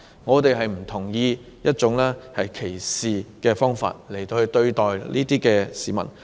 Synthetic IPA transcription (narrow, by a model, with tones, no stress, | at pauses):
ŋɔː˨˧t̪e˨jɦɐ˨jm̩˨˩t̪ʰʊ˨˩ŋjiː˧ | jɐ˥t̚t͡sʊ˨˧˥ŋlɛː˥hɐ˨jkʰe˨˩jsiː˨kɛː˧fɔː˥ŋfa̰ː˧t̚le˨˩jt̪o˧whɵ˧t̪ɵ˧ɥt̪ɔː˨˩jliː˥t̪iː˥kɛː˧siː˨˩mɐ̰˨˩n